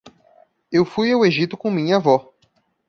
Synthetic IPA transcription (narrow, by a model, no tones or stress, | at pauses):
ewfujaweʒit̪ʊkõmĩɲɐavɔ